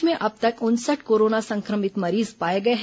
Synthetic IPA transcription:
mẽʔɐb̚t̪ɐkʊnsəʈʰkoːɾoːnasɐ̃ŋkɾəmɪt̪mɐɾiːzpaːjeɡɐeɦ

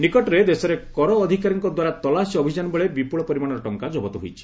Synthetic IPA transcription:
nikɔʈɔɾed̪esɔɾekɔɾɔːd̪ʱikaɾɔŋkɔd̪waɾat̪ɔlasiɔbʱid͡ʒanɔbeɭebipuɭɔpɔɾimaɽ̃ɔɾɔʈɔŋkad͡ʒɔbɔt̪ɔɦo̰jt͡ʃʰi̥

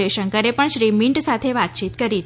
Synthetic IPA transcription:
eʃəŋkəɾepəɳʃɾimiɳʈsat̪ʰeʋat̪̚t͡ʃit̪kəɾit͡ʃʰ

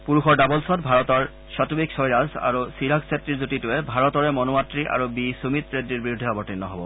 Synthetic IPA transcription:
puɹuxɔɹdabɔlsɔt̚bʱaɹɔtɔɹ | satubiksɔjɹasa̰ɹusiɹaksetːɹiɹzutitʊɛbʱaɹɔtɔɹɛmɔnoatɹiʔa̰ɹubisumit̪pɹedːiɹbiud̪ʱːeabɔɹtinːɔɦɔbɔ

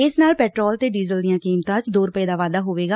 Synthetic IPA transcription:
ɪsnaːlpɛːʈɾɔːlt̪eːɖiːzəld̪ɪjãːkiːmt̪ãːt͡ʃd̪oːɾəpeːd̪aːʋaːd̪aːɦoːʋeːɡaː

